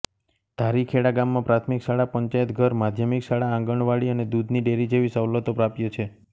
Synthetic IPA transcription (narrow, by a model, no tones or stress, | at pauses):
d̪̥ʱaɾikʰeɽaɡamːãpɾat̪ʰmikʃaɽapəɲt͡ʃajət̪ɡʱəɾmad̪ʱjəmikʃaɽaãŋɡəɳʋaɭiəned̪ud̪niɖeɾid͡ʒeʋisəwlət̪opɾapjot͡ʃʰe